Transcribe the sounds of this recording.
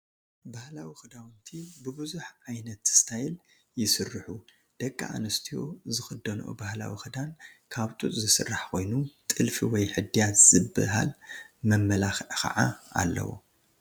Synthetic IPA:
bahlawixɨd̪awnt̪ʰibɨbɨzuħʕajnɐt̪ɨ̥st̪ʰajl | jɪsɨrːɨħu | d̪̥ɐkʼːa̰ʔa̰nɐst̪ʰijo̰zɨxɨd̪ːɐnʔo̰bahla̰wḭxɨd̪ankʰaβt̪ʼut̪ʼzɨsɨ̰rːaħkʰo̞jnut̪ʼɨlfiwɔjħɨd̪ijat̪z̥ɨbɨ̰ɦa̰lmɐmːɐlaxkʰɐ̰ʕa̰a̰lːɐ̰wo̰

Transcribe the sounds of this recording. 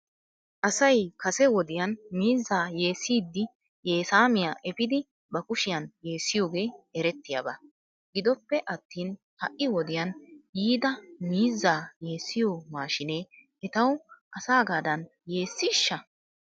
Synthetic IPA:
ʔɐsɐjkɐsɛwɔd̪ɪjɐnmiːzːaːje̞ːsːiːd̪ːɪ | je̞ːsaːmɪjaʔɛpɪd̪ɪ | bɐkʊʃɪjɐnje̞ːsːɪjoːɡe̞ːɛɾɛt̪ːɪja̰bɐ | ɡɪd̪ɔpːɛʔɐt̪ːiːn | hɐʔɪwɔd̪ɪjɐnjiːd̪ɐmiːzːaːje̞ːsːɪjoːmaːʃɪneː | ɛt̪ɐwʔɐsaːɡaːd̪ɐn | je̞ːsːɪʃːɐ

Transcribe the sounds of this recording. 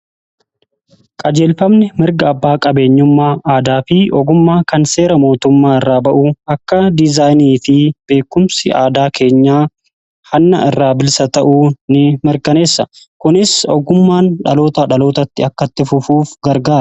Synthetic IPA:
kʼɐd͡ʒe̞ːlfɐmnɪmɪɾɡɐːbːaːkʼɐbe̞ːɲːʊmːaːʔaːd̪aːfɪʔɔɡʊmːaːkɐnse̞ːɾɐmo̞ːt̪ʊmːaːɪrːaːbɐʔuːɐkːɐd̪ɪzaːjniːfɪb̥e̞ːkːʊmsɪʔaːd̪aːkʰe̞ːɲːaː | hɐnːɐ̰ɪrːaːbɪlsɐt̪ɐʔuːnɪmɪɾkɐne̞ːsːɐ | kʊnɪsɔ̰ɡʊmːaːnᶑɐlo̞ːt̪ɐᶑɐlo̞ːt̪ɐt̪ːɪɐkːɐt̪ːɪfʊfuːfɡɐɾɡaːɾɐ

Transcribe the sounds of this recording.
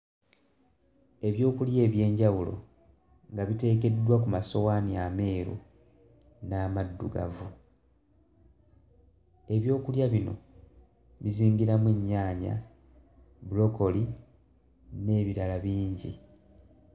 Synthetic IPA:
e̞βjo̞ːkulje̞ːβje̞ːɲɟawulo̞̰ | ŋɡaβite̞ːke̞dːwakumaso̞waniame̞ːɾṵ | naːmadːṵɡa̰vu | e̞βjo̞ːkuljaβino̞̰ | βiziːɲɡiɾamweɲːaːɲa̰ | bulo̞ko̞li | ne̞ːβiɾalaβiːɲɟḭ

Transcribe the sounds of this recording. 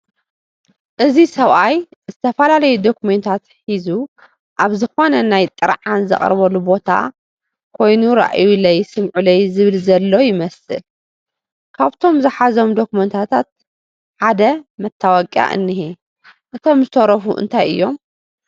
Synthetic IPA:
ʔɨzisɐβʔajzɨt̪ʰɐfɐlalɐjud̪o̞kument̪ʰat̪ħizu | ʔaβzɨxo̞nɐnajt̪ʼɨɾʕanzɐ̰χʼɾβɐlubo̞t̪ʰa̰ | kʰo̞jnuɾa̰ʔjulɐjsɨmʕulɐjzɨβɨlzɐlːo̞jɪmɐsɨ̰l | kʰaβt̪ʰo̞mzɨħazo̞md̪o̞kument̪ʰat̪ʰat̪̚ | ʕad̪ɐmɐt̪ʰːawɐkʼa̰ʔɨ̰nːiɦi | ʔɨt̪ʰo̞mzɨt̪ʰoɾɐfṵʔɨ̰nt̪ʰajʔɨ̰jːo̞m

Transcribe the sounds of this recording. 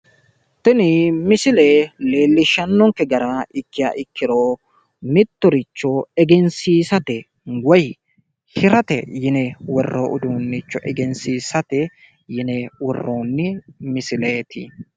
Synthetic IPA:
t̪ɪnɪmɪsɪleːleːlːɪʃɐnːɔŋkɛɡɐɾɐɪkːɪja̰ːʔɪkːɪɾo | mɪt̪ːɔɾɪt͡ʃːɔɛɡɛnsiːsɐt̪ɛ | ɡɔj | hɪɾɐt̪ɛ̰jɪnɛwɔrːoʔʊd̪uːnːɪt͡ʃːɔʔɛɡɛnsiːsɐt̪ɛ | jɪnɛwɔrːoːnːɪmɪsɪleːt̪ʰɪ

